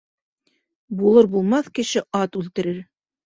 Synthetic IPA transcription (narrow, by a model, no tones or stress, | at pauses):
bulˠɤɾbulˠmɑθkɘ̆ʃɘɑt̪ʉlt̪ɘ̆ɾɘɾ